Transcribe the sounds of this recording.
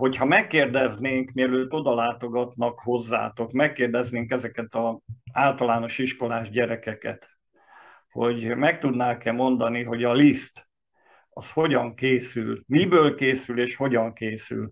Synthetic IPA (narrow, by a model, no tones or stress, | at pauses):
ho̞chɒmɛkːeːrd̪ɛzneːŋkmiɛløːt̪ːo̞d̪ɒlaːt̪o̞ɡɒt̪nɒkho̞zːa̰ːt̪o̞kmɛkːeːrd̪ɛzneːŋkɛzɛkɛt̪ɒaːlt̪ɒlaːno̞ʃiʃko̞laːʒɟɛɾɛkɛkɛt̪ | ho̞ɟmɛk̚t̪ud̪naːkɛmo̞nd̪ɒniɦo̞ɟɒlist̪ | ɒsho̞ɟɒŋkeːsylmibøːlkeːsyleːʃho̞ɟɒŋkeːsy̰l